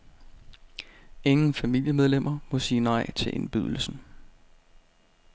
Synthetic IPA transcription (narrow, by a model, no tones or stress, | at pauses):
e̝ŋn̩fæmil̰jəmeð̞ˠlemʔɐmɔ̽siːnɑ̈ɪ̰t͡sʰe̝lʔe̝nb̥yðˠl̩sn̩